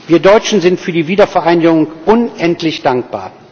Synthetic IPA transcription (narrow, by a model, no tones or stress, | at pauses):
viːɐdɔʏt͡ʃn̩zɪntfyːɐdiːviːdɐfɛɐʔaɪnɪɡɡʊŋʔʊnʔɛntʰlɪçd̥aŋk̚b̥a̰ːɐ